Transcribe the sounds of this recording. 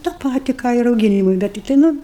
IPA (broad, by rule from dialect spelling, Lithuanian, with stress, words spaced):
tɑː ˈpɑːtʲɪ ˈkɑː ɪ rɐʊˈɡʲɪnʲɪmʊɪ ˈbʲɛt tʲɪkˈtɐɪ ˈnʊ